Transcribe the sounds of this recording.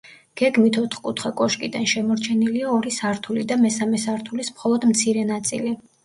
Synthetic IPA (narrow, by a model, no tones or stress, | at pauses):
ɡ̥ɛɡmit̪ʰɔt̪ʰχkʼut̪ʰχakʼɔʃkʼid̪anʃɛmɔɾt͡ʃʰɛniliaɔɾisaɾt̪ʰulid̪amɛsamɛsaɾt̪ʰulismχɔlˠɔd̪mt̪sʰiɾɛnat̪sʼḭli